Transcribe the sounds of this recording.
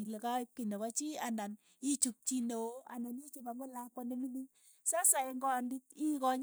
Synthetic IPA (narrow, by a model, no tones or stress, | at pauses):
lekaip̚kinɔkat͡ʃiandan | it͡ʃup̚t͡ʃinoa̰ndanjit͡ʃupamolakɔnemini | sasaeŋɡɔanditikɔɲ